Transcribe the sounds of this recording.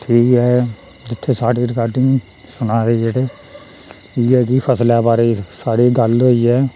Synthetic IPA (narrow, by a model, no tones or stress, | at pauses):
ʈʰiːkɦɛː | d͡ʒɪt̪ʰːeːsaːɖiːɾɪkaːɾʈɪ̃ŋɡ | sʊnãːɾeːd͡ʒeʈeː | ʈʰiːkɛːkɪpʰəslɛːbaːɾeːsaːɽiːɡəlɦoːiːɛː